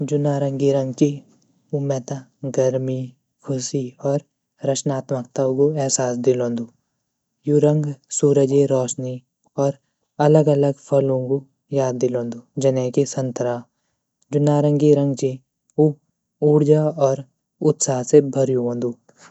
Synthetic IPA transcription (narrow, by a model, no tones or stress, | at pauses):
d͡ʒʊnaːɾə̃ŋɡiɾə̃ŋɡt͡ʃi | umɛːt̪aɡəɾmi | kʰʊsiɔːɾ | ɾət͡ʃʰnaːt̪məkt̪aukoɛɦsaːsd̪ɪlõːnd̪uː | juɾə̃ŋɡsuːɾəd͡ʒeɾɔːʃni | ɔːɾ | ɐləɡələɡpʰəlõko | jaːd̪̚ːɪlõːnd̪uːd͡ʒɐnɛ̃ːkisə̃nt̪əɾaː | d͡ʒʊnaːɾə̃ŋɡiɾə̃ŋɡt͡ʃi | u | uːɾd͡ʒaɔːɾ | ʊt̪saːɦsebʱəɾjuɦõːnd̪uː